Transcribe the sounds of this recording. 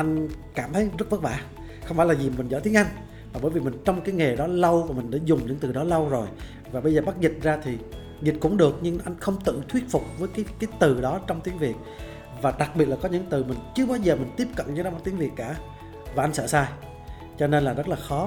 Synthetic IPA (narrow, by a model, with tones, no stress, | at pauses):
ʔa˧jŋ̟kaː˧˩mt̪ʰə˨˦jzə˦˥t̚və˦˥t̚ɓa̰ː˧˩˨ | xə˧wŋ͡mfaː˧˥jlaː˨˩zi˨˩mï˨˩ŋ̟zəː˧˩t̪i˨˦əŋʔa˧jŋ̟ | maː˨˩ɓəː˧˩jvi˨˩mi˨˩ŋ̟t͡ɕɔ˧wŋ͡mkaː˨˦jŋe˨˩ɗɔ˨˦lə˧wvaː˨˩mï˨˩ŋ̟ɗa̰ː˧˥zʊ˨˩ŋ͡mɲɨ̰˧˥ŋt̪ɨ˨˩ɗɔ˨˦lə˧wzo˨˩j | vaː˨˩ɓə˧jzəː˨˩ɓa˦˥t̚zï˨˩t̚zaː˧t̪ʰi˨˩ | zi˨˩t̚kʊ̰˧˥ŋ͡mɗɨ˨˩ək̚ɲɨ˧ŋʔa˧jŋ̟xə˧wŋ͡mt̪ɨ̰˧˨ŋt̪ʰwi˦˥t̚fʊ˨˩k͡p̚vəː˨˦jkaː˨˦jkaː˨˦jt̪ɨ˨˩ɗɔ˨˦t͡ɕɔ˧wŋ͡mt̪i˨˦ŋvi˨˩ət̚ | vaː˨˩ɗa˨˩k̚ɓi˨˩t̚laː˨kɔ˨˦ɲɨ̰˧˥t̪ɨ˨˩mï˨˩ŋ̟t͡ɕɨ˨˧əɓaː˧wzəː˨˩mï˨˩ŋ̟t̪i˦˥əp̚kə̰˧˨nɲɨ˧˥na˨˧wma˨˦˥t̪i˨˦əŋvi˨˩ət̚kaː˧˩˨ | vaː˨˩ʔa˧jŋsə̰ː˧˨saː˧ | t͡ɕɔ˧ne˧nlaː˨˩zə˦˥t̚laː˨˩xɔ˨˦